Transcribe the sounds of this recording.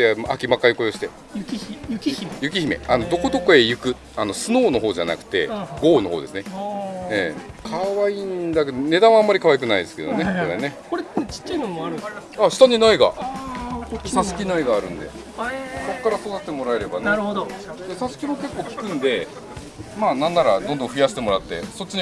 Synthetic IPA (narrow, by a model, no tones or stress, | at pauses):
d̪ema̰kʲimakːajiko̞joɕi̥t̪e | jʲjçjɯ̟k̬ʲiçime̞̰ano̞d̪o̞ko̞d̪o̞ko̞e̞jɯ̟kɯ̟ | ano̞sɨno̞ːno̞ɦo̞ːʑa̰na̰kɯ̟̥t̪e̞̰ɡo̞ːno̞ɦo̰ːd̪e̞sɨneḛːkʰaβaind̪ak̬ed̪one̞d̪ãɰ̃amːaɾʲikaβajik̬ɯnaid̪e̞sɨ̥ke̞d̪o̞nekoɾene̞koɾet͡ɕi̥t͡ɕːainomoaɾɯ̟aɕi̥t̪aɲ̟inaiɡa̰ | sasɨ̥kʲinaiɡaːɾɯ̟̃nd̪e̞̰ | so̞kːaɾasod̪at̪ːe̞mo̞ɾae̞ɾe̞baneɾd̪d̪̥e̞sasɨ̥kʲimo̞ke̞kːo̞ːkʲi̥kɯ̟̃nd̪e̞ | maːnãnːaɾad̪õnd̪õ̞ɸɯjaɕi̥t̪e̞mo̞ɾat̪ːe̞̰so̞t͡ɕːiɲ̟i